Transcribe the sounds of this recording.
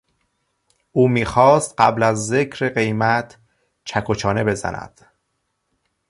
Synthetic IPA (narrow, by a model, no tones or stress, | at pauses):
ʔuːmiːxɒːst̪̚ɢæblæzːecʰɾeɢe̞jmæt̪ʰ | t͡ʃʰækʰot͡ʃʰɒːne̞be̞zæ̰næ̰d̪̥